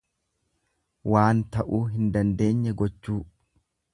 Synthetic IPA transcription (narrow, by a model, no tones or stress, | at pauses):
waːnt̪ɐʔuːɦɪnd̪ɐnd̪e̞ːɲːɛɡɔt͡ʃːuː